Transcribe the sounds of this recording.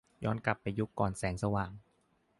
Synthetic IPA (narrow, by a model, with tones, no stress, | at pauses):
jɔː˦˥˩nkla˨˩pːa˨˩jːu˦˥kːɔː˨˩nsɛː˩˦ŋsa˧waː˨˩ŋ